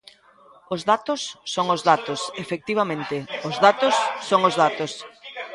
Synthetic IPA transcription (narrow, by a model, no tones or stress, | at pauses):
ʊzðat̪ʊsːoŋʊzðat̪osefek̚t̪iβ̞amẽnt̪ɪozðat̪osːoŋozðat̪os